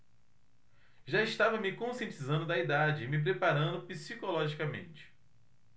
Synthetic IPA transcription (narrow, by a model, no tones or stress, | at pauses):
ʒaɪʃt̪avɐmɪkõsiẽt͡ʃizɐ̃nd̪ʊd̪ɐid̪ad͡ʒɪːmɪp̬ɾepaɾɐ̃nd̪ʊpisikolɔʒikɐmḛ̃nt͡ʃɪ̥